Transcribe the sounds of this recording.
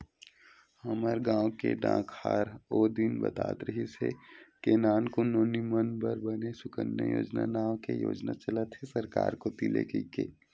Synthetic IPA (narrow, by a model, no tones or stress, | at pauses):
hɐməɾɡãːwkeɖã̰ːkʰhaːɾoːd̪inbɐ̰t̪a̰ːt̪ɾəɦisḛkeːnaːnkonoːnimənbəɾbənesʊkənjəjo̰ːd͡ʒnanaːwkejoːd͡ʒnat͡ʃɐlət̪ɦesɐɾka̰ːɾkot̪ilḛkikeː